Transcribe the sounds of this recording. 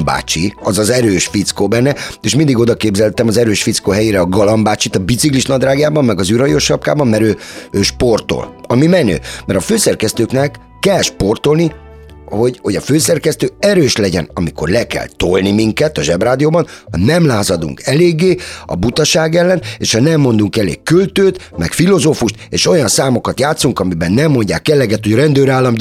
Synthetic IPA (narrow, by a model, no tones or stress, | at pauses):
ba̰ːt͡ʃiɒzɒzɛɾøːʃfit̪skoːbɛnːɛeːʃmind̪iɡo̞d̪ɒkeːbzɛlt̪ɛmɒzɛɾøːʃfit̪skoɦɛjeːɾɛɒɡɒlɒmbaːt͡ʃit̪ɒbit̪sikliʃnɒd̪raːɡjaːbɒmːɛɡɒzyɾɒjo̞ʃɒp̚ka̰ːbɒmmɛɾøːøːʃpo̞rt̪o̰lɒmimɛnø̰ːmɛɾɒføːsɛrkɛst̪øːknɛkːɛlʃpo̞rt̪o̞lni | ho̞ɟho̞ɟɒføːsɛrkɛst̪øːɛɾøːʃlɛɟɛ̰nɒmiko̞̰rlɛkɛ̰lt̪o̰lnimiŋkɛt̪ɒʒɛbraːd̪ijoːbɒnhɒ̰nɛmlaːzɒd̪ṵŋkʰɛleːɡːeːɒ̰but̪ɒʃaːɡɛlːɛnḛːʃhɒnɛmːo̞nd̪uŋkɛlḛːkːylt̪øːt̪mɛkfilo̞zoːfuʃt̪eːʃo̞jɒnsaːmo̞kɒt̪jaːt̪suŋkɒmibɛnːɛmːo̞ɲɟa̰ːkːɛlɛɡɛt̪hoɟrɛnd̪øːɾaːlːɒm